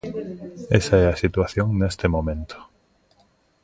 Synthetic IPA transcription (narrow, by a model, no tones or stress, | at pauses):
ɛsaɛɐsit̪waθjoŋnest̪ɪmomẽnt̪o̥